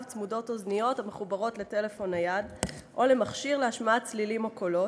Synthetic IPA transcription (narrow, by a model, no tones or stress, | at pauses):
vt͡smudo̞to̞znijo̞thameχubaʁo̞tle̞te̞le̞fo̞najadʔo̞le̞maχʃiʁleaʃmaat͡slilimako̞lo